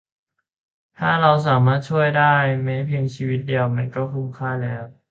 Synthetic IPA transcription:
t̪ʰaː˥˩ɾa˧ws̬aː˩˦maː˥˩t̪̚t͡ɕʰu˥˩əjdaː˥˩jme˦˥pʰeː˧ŋt͡ɕʰiː˧wi˦˥t̪̚di˧əwma˧nkɔː˥˩kʰu˧˥˩nkʰaː˥˩lɛː˦˥w

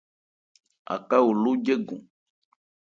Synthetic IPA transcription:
a̰˨ka˦wo˨lo˦d͡ʒe˦ɡũ˨

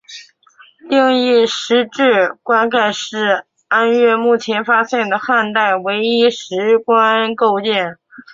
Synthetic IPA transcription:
t̪i˥˧ŋi˥˩ʂɻ̩˧˥ʈ͡ʂɻ̩˥˩kwa˥nka˥˧ɪʂɻ̩˥˩ | a˥nɥɛ˥˧mu˥˩t͡ɕʰjɛ˧˥nfa˥ɕjɛ˥˩nd̪ə˩xa˥˧nt̪a˥˩ɪwe˧˥ɪi˥ʂɻ̩˧˥kwa˥nko˥˧ʊt͡ɕjɛ˥˩n

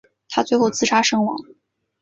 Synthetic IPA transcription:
t̪ʰa˥t͡swe˥˧ɪxo˥˩ʊt͡sɹ̩˥ʈ͡ʂʰa˥ʂɤ˥ŋwɑ̰˨˩˥ŋ

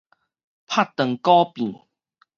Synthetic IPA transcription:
pʰa˥˩t̪ːə˨˩ŋkɔ˦pi˨˩n

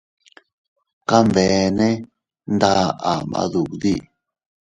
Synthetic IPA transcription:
ka˦mve˨nẽ˦ | nd̪a˦ʔa˨mã̰˧ðu˨kði˦˨

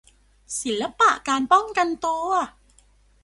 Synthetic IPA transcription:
si˨˩˦llːa˦˥pa̰˨˩ʔkaː˧npɔ˥˩ŋka˧nt̪uː˧ɐ

